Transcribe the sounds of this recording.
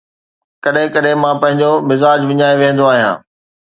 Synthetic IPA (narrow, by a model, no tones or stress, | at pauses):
kɐɗɦɪ̃kɐɗɪ̃mãpɐ̃ɦɪ̃ɲd͡ʑomɪzaːd͡ʑʋɪɲaːjoʋẽːn̆d̪oaːɦijã̰ː